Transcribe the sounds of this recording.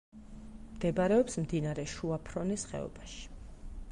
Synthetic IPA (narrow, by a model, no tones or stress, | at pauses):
md̪̥ɛbɾɛɔpsmd̪inaɾɛʃuapʰɾɔnisχɛ̰ɔ̰baʃi̥